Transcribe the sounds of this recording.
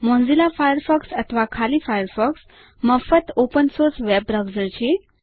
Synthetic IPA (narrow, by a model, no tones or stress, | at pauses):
mɔ̃nd͡zilafajəɾfɔksət̪ʰəʋakʰalifajəɾfɔks | məfət̪opənsoɾsʋɛb̚ɾaʋd͡zəɾt͡ɕi